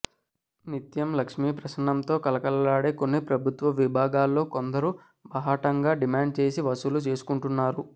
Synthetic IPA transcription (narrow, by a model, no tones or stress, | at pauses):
nit̪jɐmlɐkʂmiːpɾɐʃnɐmt̪o̞ːkɐlɐkɐlɐlaːɽeːko̞nːipɾɐbʱut̪ʋɐʋibʱaːɡaːlːo̞ːkond̪ɐɾu | bɐɦaːʈɐŋɡaːɖimaːɳɖt͡ʃe̞ːsiʋɐsulut͡ʃe̞ːsu̥kuɳʈunːaːɾu